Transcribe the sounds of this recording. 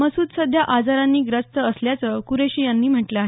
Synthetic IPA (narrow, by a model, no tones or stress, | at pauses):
əsuːd̪səd̪ʱjaʔad͡zaɾãnːiːɡɾəst̪əəsljat͡səkuɾeɕijanːiːm̤əʈləaːɦe